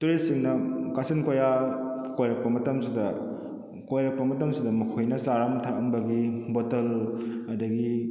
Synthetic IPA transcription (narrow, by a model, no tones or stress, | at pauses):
tuɾisiŋnɐkasɐnkojakojɾɐk̚pɐmɐtɐmsidɐ | kojɾɐk̚pɐmɐtɐmsidɐmɐkʰojnɐsaɾamtʰaʔɐmbɐɡibɔtɐlɐdɐɡi